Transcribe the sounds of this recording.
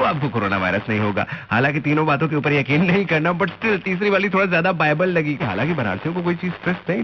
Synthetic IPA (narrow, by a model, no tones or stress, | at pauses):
oaːp̚kokoːɾoːna̰ʋa̰ːɪɾəsnɐɦĩɦoːɡa̰ːhaːlãːkit̪iːnõbaːt̪õk̬euːpəɾjɐkiːnːɐɦĩkɐɾnabɐʈsʈɪlt̪iːsɾiʋaːlit̪ʰoːɽazjaːd̪abaːɪbəlːɐɡiɦa̰ːlãːŋkibɐna̰ːɽsijõkok̬oːit͡ʃiːzsʈɾɛsnɐɦĩ